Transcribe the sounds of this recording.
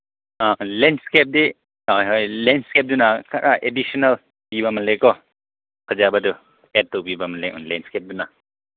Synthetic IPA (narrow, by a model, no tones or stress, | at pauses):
alenskep̚di | ɔjɦɔjlenskep̚dunakaɾaʔedisɔnɐl | biβamɐnlekɔ | kʰɐzabadu | et̚towbibamɐnleɔ̰nlenskep̚duna